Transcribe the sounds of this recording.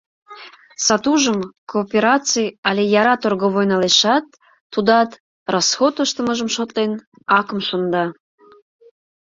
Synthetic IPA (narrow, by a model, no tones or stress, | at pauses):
sɑt̪uʒəmkoːpʲeɾɑt͡sɨjɑlʲejɑɾɑt̪orɣoβojnɑleʃɑt̪ː | ud̪ɑt̪ | rosxot̪əʃt̪əməʒəmʃot̪len | ɑkəmʃond̪ɑ